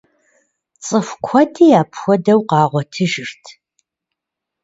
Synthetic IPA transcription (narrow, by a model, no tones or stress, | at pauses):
t͡sʼɨfʷkʷʰɔdiːjaːpʰxʷɔdɐwqɑːʁʷɔtʰɨʒɪrtʰ